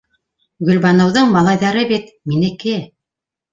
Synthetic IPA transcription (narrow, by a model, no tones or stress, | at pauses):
ɡɵ̆lβɑnɤ̆wðɤɴmɑlˠɑjðɑɾɤbit̪ | minɘ̆kɘ